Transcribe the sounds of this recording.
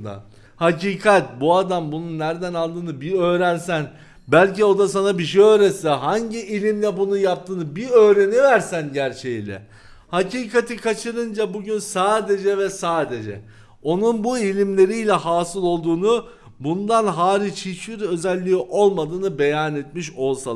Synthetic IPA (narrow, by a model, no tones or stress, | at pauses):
d̪a̰ | haciːkʰat̪buad̪ambununːæɾd̪ænalˠd̪ɯːnɯbiø̞ːɾænsæn | bælʲcio̞d̪asanabiʃejø̞ːɾɛsɛɦaɲɟiʔilʲimlʲɛbunujap̚t̪ʰɯːnɯbiø̞ːɾe̞nivæɾsænɟæɾt͡ʃʰejilʲɛ̰ | haciːkʰat̪ʰikʰat͡ʃʰɯɾɯnd͡ʒabuɟynsaːd̪e̞d͡ʒɛvɛsaːd̪e̞d͡ʒɛ̰ | o̞nunbuilʲimlʲe̞ɾijlʲɛɦaːsɯlˠo̞lˠd̪uːnu | bund̪anɦaːɾit͡ʃhit͡ʃiɾø̞zælʲːiʔo̞lˠmad̪ɯːnɯbe̞janet̪miʃo̞lˠsa